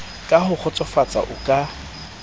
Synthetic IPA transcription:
kʼahʊk͡xʰɔt͡sʼɔfat͡sʼa̰ʔʊkʼa

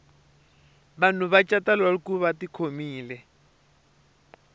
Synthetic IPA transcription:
βan̤uβat͡ʃʼatalaɺikuβatikʰomiːlɛ

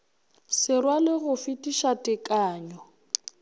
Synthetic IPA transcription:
sɪrwalɪɣʊfɪtʼiʃatʼɪkʼaːɲɔ

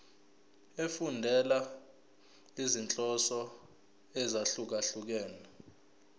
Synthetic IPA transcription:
efundʱɛla | izint͡ɬʼɔsɔ | ɛzaɬuk̬aɬuk̬ɛːna

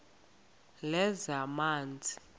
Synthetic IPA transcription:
lɛzamaːnd͡zʱi

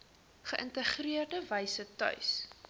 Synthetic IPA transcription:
χəʔəntəχriərdəvɛjsətœ̰ɥs

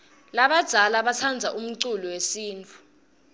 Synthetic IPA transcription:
laɓad̥ʱalaɓat͡sʰand͡zʱaʔum̩ǀulɔwesiːntʰʼu̥

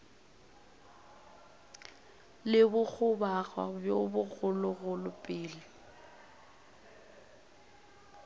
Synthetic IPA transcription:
lɪbʊk͡xʰʊbaɣwa̰bjobʊɣʊlʊɣʊlʊpʼɪːlɪ

